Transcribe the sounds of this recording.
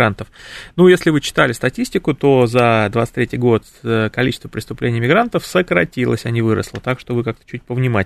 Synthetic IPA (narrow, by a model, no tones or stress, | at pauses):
ant̪əfnujesʲlʲɪvɨt͡ɕːɪ̥t̪alʲɪst̪ɐtʲisʲtʲɪkʊt̪o̞zɐd̪vat̪st̪ɾʲetʲɪjɡo̞t̪ | kɐlʲit͡ɕɪ̥st̪vəpɾʲɪst̪ʊplʲenʲɪjmʲɪɡɾant̪əfsəkɾɐtʲilˠə̰sʲɐnʲivɨɾə̰slˠət̪akʂt̪o̞vɨkak̚t̪ə̥t͡ɕʉt̚ʲpəvnʲɪma